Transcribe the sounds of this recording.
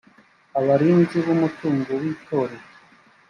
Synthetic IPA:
aβaɾiːnziβumutuːŋɡowiːtʰoːɾe

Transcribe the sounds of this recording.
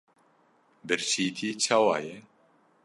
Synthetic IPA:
bɨɾɕiːt̪ʰit͡ɕʰawaje

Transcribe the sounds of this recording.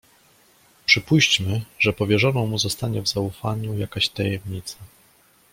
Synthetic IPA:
pʂɘpuɕt͡ɕmɘʐɛpɔvʲjɛʐɔnɔ̃w̃muzɔst̪aɲɛvzaufaɲujakaɕt̪ajɛmɲit̪sa

